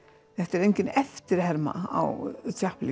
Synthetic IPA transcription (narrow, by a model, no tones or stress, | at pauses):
θɛht̪aɛɾejɲcɪnɛft̪ɪɾ̥ɦɛɾma̰a̰wt̪ʰjahpli